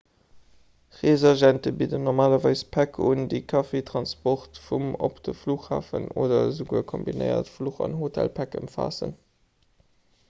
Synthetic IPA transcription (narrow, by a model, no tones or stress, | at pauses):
ʁezɛʒæntəbidənɔʁmaːlɐvɑɪspʰækʰundikʰɑfetʁɑnspɔχtfumo̰pd̥əfluːχhaːfənoːdɐzuɡuəkʰombinə̰ɪɐ̰tfluːχɑ̰nɦotʰæ̰lpʰækə̰mfa̰ːsə̰n